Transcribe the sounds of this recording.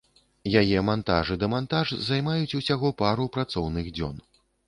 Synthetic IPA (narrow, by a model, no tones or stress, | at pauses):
jajɛmant̪a̰ʐɨd̪ɐmant̪aʐzajmajut͡sʲusʲaɣɔpaɾupɾat̪sɔwnɨɣd͡zʲɔ̰n